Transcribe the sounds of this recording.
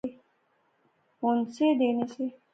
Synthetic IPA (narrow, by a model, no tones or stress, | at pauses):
e | onsed̪eːnese